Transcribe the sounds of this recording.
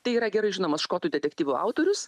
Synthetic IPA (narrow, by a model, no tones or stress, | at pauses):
t̪ɐɪiːɾɐɡʲɛɾɐɪʒʲɪnɐmɐsʃkoːt̪uːd̪ʲɛt̪ʲɛk̚ʲt̪ʲiːʋʲʊɐ̰ʊt̪oːɾʲʊs